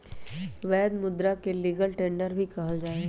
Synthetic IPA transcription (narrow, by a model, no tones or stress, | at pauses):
ʋɛːd̪mʊd̪ɾakeliːɡəlʈẽːɳɖəɾbʱikɐɦəld͡ʒaːe